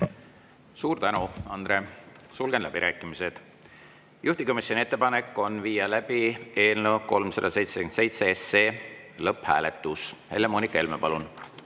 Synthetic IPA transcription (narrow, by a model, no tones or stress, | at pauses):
suːɾt̪ænuɑnd̪re̞ | sulɡ̥enlæb̥iɾʔæːkːˑimise̞d̪̥ | jʔuht̪iko̞misʲjo̞nʲie̞t̪ːe̞pɑne̞kːˑo̞nviːjɑlæb̥ie̞ːlnewko̞lmsɑ̰d̪ɑse̞jt̪sekyent̪se̞jt̪seesːe̞ːlɤphæ̰ːlet̪ːˑushe̞̰lːemoːnikːˑɑe̞lmepɑlun